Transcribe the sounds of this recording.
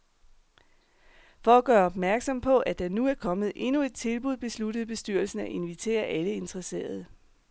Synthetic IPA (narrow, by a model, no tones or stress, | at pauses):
fɒ̽æɡ̥ɶːɐɒ̽b̥mæɐɡ̥sɒ̽m̰pʰɒ̽ʔæd̥ɑ̈nuæɐkʰɒ̽mð̩ˠʔe̝nue̝d̥̚t͡sʰe̝lb̥uð̞ˠb̥e̝sludəð̞̩ˠb̥e̝sd̥yɐl̩sn̩æʔe̝nʋit͡sʰe̝̰ːɐʔæləe̝nt͡sʰʁɐse̝̰ːɐð̞ˠ